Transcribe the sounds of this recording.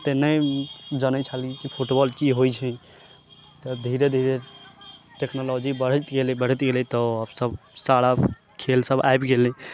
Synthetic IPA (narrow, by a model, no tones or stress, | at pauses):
t̪enɛjd͡ʒənɛt͡ʃʰalkikipʰuʈbɔlkiɦojt͡ʃʰɛ | t̪ɔd̪ʱiɾed̪ʱiɾe | ʈeknɔlɔd͡ʒibəɽ̤ət̪ɡelibəɽ̤ət̪ɡelɛt̪ɔəbsəbsaɽa | kʰelsəbaebɡelɛ